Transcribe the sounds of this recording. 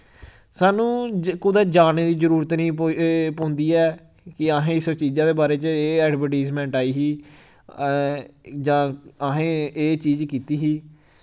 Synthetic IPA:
saːnũːkʊd̪aːd͡ʒaːneːd̪iːzəɾuːɾət̪nĩːpõːnd̪iːɛː | kɪaːɦẽːɪst͡ʃiːd͡ʒãːd̪eːbaːɾeːt͡ʃeːɛːɖbəʈiːzmɛ̃ːɳʈaːiːɦiː | d͡ʒãːaːɦẽːeːt͡ʃiːd͡ʒkiːt̪iːɦiː

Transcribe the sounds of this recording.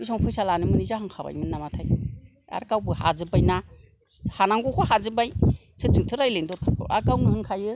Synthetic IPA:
isɔŋpʰɯjsalanɯmɯnizahɯŋkʰaba̰jmɯnːamatʰaj | a̰ɾkawbɯha̰zɯbajna | hanaŋɡukʰɔhazɯbaj | sɯtiŋtʰɯɾajlendɔtʰʔa̰kawŋɯhɯŋkʰajɯ

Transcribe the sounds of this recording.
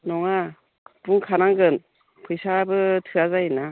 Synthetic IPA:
nɔŋa | b̥uŋkʰanaŋɡɯn | pʰɯjsabɯtʰɯazajina

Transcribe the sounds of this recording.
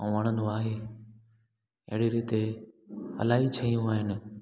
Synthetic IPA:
ʋəɽ̃ənuaːɦe | ɐ̰ɦɪɽiɾiːt̪e | ɐ̰laːɦit͡ɕʰɐjũaːɦɪnɪ̆

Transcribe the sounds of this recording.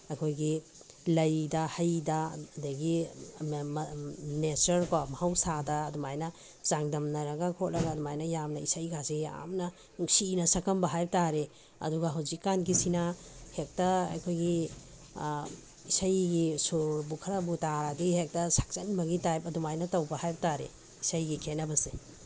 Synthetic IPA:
ɐkʰojɡi | lɐjdɐhɐjdɐdɐɡi | nesɐɾkamɐhawsadɐːdumajnɐ | z̥aŋdɐmnɐɾɐɡakʰot̚ɾɐɡaːdumajnɐjamnɐisajɡazija̰mnɐ | nuŋsinɐsɐkɐmbɐɦajp̚taɾe | ɐ̰duɡaɦawzikːanɡisinahek̚tɐɐ̰jkʰojɡi | isajɡisuɾbukʰɐɾabutaɾadihek̚tɐsḁk̚t͡ʃɐnbɐɡitajpɐdumajnɐtɐwbɐhajbɐtaɾḛ | isajɡikʰenɐbɐse

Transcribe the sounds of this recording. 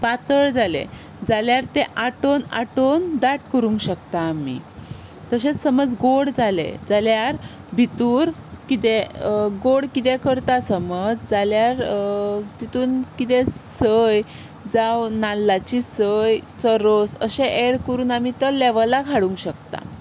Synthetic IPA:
pat̪əɭd͡zalḛ | d͡zaljaɾt̪ẽʔaʈona̰ʈond̪aʈkəɾũŋɡɕəkt̪aːmḭ | t̪əɕet͡ssəməd͡zɡoɽd͡zalḛd͡zaljaɾ | bʱit̪uːɾkit̪eɡoɽkit̪ɛkəɾt̪asəməd͡zd͡zaljaɾ | t̪it̪uːnkit̪ɛsəj | d͡zawnalːat͡ɕisəjt͡səɾosə̰ɕeʔeɽkəɾuːnamit̪əlɛʋəlakʰaɽuŋɡɕəkt̪a̰

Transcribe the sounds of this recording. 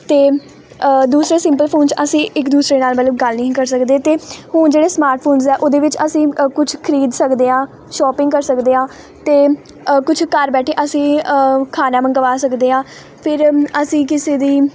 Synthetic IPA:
t̪eː | d̪uːsɾeːsɪ̃mpəlpʰoːnt͡ʃəsĩːʔɪkd̪uːsɾeːnaːlmət̪ləbɡəlnĩĩːkəɾsəkd̪eːt̪eːhʊnd͡ʒeːɽeːsmaːɾʈ̚ʰpʰoːnzɛːʔoːd̪eːʋɪt͡ʃəsĩːkʊt͡ʃʰkʰəɾiːd̪səkd̪eːãː | ʃɔːpɪ̃ŋɡkəɾsəkd̪eːãː | t̪eː | kʊt͡ʃʰkəɾbɛːʈʰeːʔəsĩːkʰaːnãːməŋkəʋaːsəkd̪eːɦãː | pʰɪɾəsĩːkɪseːd̪iː

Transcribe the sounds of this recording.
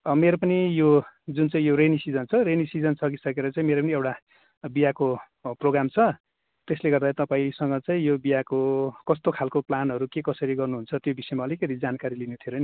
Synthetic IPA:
ʌmeɾopʌnijod͡zunt͡saĩjoɾenisid͡zʌnt͡sʰʌrenisid͡zʌnsʌkisʌkeɾʌt͡saĩmeɾopʌniewʈa | bijako | proɡramt͡sʰʌ | t̪esleɡʌrd̪at̪ʌpaĩsʌŋɡʌt͡saĩjobijakokʌst̪okʰalkoplanɦʌɾukekʌsʌɾiɡʌrnuɦunt͡sʰʌt̪jobisʌemaʌlikeɾid͡zankaɾilinet̪ʰjoɾʌjni

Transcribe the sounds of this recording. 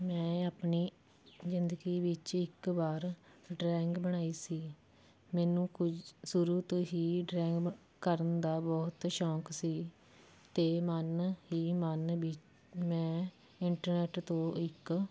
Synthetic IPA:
mɛ̃ːaːpniː | zɪnd̪əɡiːʋɪt͡ʃɪkbaːɾɖɾɛ̃ːŋɡbəɽ̃aːiːsiː | mɛːnũːkʊsʊɾuːt̪õːɦiːɖɾɛ̃ːŋɡ | kəɾənd̪aːbɔːt̪ʃɔːksiː | t̪eːmənɦiːmənbɪt͡ʃ | mɛ̃ː | ɪɳʈəɾnɛːʈt̪õːɪk

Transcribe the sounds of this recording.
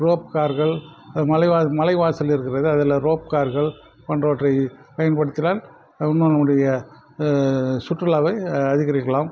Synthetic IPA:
roːp̚kaːɾɣɐɭmɐlɐɪʋaːmɐlɐɪʋaːsɪlɪɾɯkːɪrɐðɯɐðɪlɐɾoːp̚kaːɾɣɐɭ | pɐndroːʈrɐɪpɐjɐnpɐɽɯt̪ːɪlaːn | ʊnːɯnɐmːɯɽɐjɐ | sʊʈrɯlɐːʋɐɪɐðɪɣɐɾɪkːɐɭaːm

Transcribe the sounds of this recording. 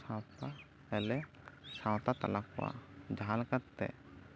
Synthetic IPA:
sãwt̪a | ɛlɛ | sãwt̪at̪a̰lakɔwa̰d͡ʒaɦalkat̪ːɛ̰

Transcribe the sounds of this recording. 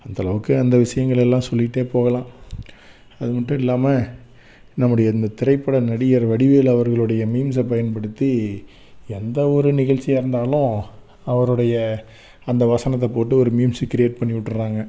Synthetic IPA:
ɐnd̪ɐlɐʋɯkːɯɐnd̪ɐʋɪʂɐjɐŋɡɐɭɛlːãːsɔlːɪʈːeːpoːɣɐlãː | ɐðɯmɐʈːʊ̃ɪlːaːmɐ | nɐmːɯɽɐjɐɪnd̪ɐt̪ɪɾɐɪpːɐɽɐnɐɽɪjɐɾʋɐɽɪʋeːlɐʋɐɾɣɐɭɯɽɐjɐmiːmsɐpɐjɐnpɐɽɯt̪ːi | ɛnd̪ɐɔɾɯnɪɣɐɻt͡ʃːɪjaɪɾɯnd̪aːlʊ̃ | ɐʋɐɾɯɽɐjɐ | ɐnd̪ɐʋɐsɐnɐt̪̬ːɐpoːʈ̬ːɯɔɾɯmiːmskɪɾɪjeːʈ̚pɐɳːɪʋɪʈːrɯɾaːŋɡɐ

